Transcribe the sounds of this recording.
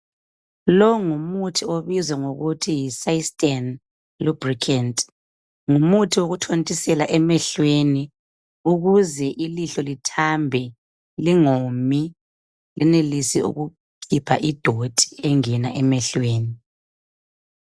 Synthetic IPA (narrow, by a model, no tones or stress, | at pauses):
lɔŋumutʰioβizwɛŋoɣutʰijisaistʼɛn | lub̥rikʰɛntʼ | ŋumutʰiwoɣutʰontʼisɛlaʔɛmɛɬweni | uɣuzɛʔiliɬolitʰambʱɛ | liŋomi | lʔɛnelisiṵɣu | kʰipʰaʔid̥ʱod̥ʰʱʼi̥ɛŋɛnaʔɛmɛɬweːni